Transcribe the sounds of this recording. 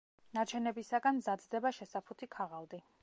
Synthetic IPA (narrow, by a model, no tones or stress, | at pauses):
nat͡ʃʰɛnɛbisaɡanzad̪zd̪ɛbaʃɛsapʰut̪ʰikʰaʁalˠd̪i